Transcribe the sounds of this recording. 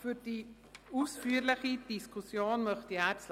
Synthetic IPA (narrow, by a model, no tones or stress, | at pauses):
fyd̥i | uːsfyːɾlɪχid̥iskʰusjoːnmœχtiæːt͡sl